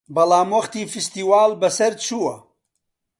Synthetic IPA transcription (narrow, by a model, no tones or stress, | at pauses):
bɐlaːmwɐχt̪iːfist̪iːwaːlbɐsɐɾt͡ʃʰuwɐ